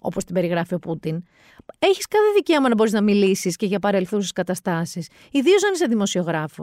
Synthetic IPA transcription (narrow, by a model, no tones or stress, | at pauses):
o̞̰po̞st̪ibe̞ɾiɣɾɐfio̞put̪in | e̞çiskɐθeðice̞omɐnɐbo̞ɾiznɐmilisisce̞ʝɐpɐɾe̞lθus̬i̥skɐt̪ɐst̪ɐsis | iðio̞zɐniseðimo̞sio̞ɣɾɐfo